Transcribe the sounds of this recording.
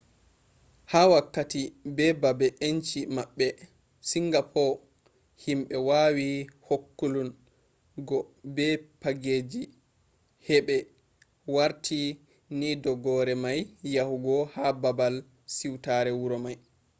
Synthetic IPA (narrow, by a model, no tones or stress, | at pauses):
hawakːatibɛbabɛʔeɲt͡ʃimaɓːɛ | siŋɡapʰɔ | himɓɛwawihokːulun | ɡɔbɛpaɡed͡ʒi | hɛɓɛ | waɾtʰi | nidɔɡɔɾɛmajːahuɡɔhababal | siwtaɾɛwuɾɔmaj